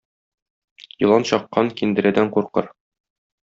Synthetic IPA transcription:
jɤ̆lˠɑnɕɒqːɑŋkind̪ɘ̆ɾæd̪æɴquɾqɤ̰ɾ

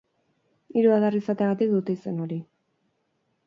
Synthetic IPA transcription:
iɾuaðarisat̪eaɣat̪ik̚d̪ut̪e̞ise̞no̞ɾi

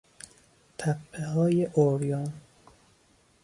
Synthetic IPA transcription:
t̪ʰæpʰːehɒːjeʔoɾjɒːn

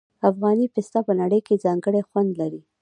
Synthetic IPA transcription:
afɣɑnipɪst̪ɑpənaɽəjked͡zɑŋɡəɽexwand̪laɾi

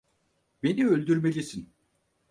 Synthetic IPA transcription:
be̞niølʲd̪yɾme̞lʲisin

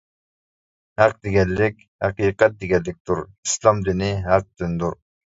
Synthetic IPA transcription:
hæq̚d̪eɡʲɛlːɪkʲhæ̰qiːqɛt̪̚d̪eɡʲɛlːɪk̚ʲt̪ʰuɾi̥slˠɑmd̪inɪɦæq̚d̪ynd̪uɾ

